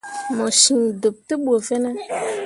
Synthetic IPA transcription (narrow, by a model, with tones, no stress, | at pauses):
mɔ̃˨ʃĩ˨do˨p̚t̪ə˦ɓu˨o˨vɛ˦nɛ̃˦